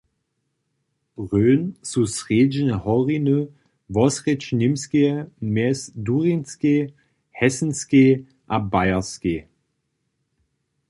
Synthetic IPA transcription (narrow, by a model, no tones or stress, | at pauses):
b̥ʁøːnsusʁeːd͡ʒnhɔʁinø | vɔsʁɛt͡ʃnɪmskemɛsduʁinske | hɛsn̩ske | ʔabaɪɐske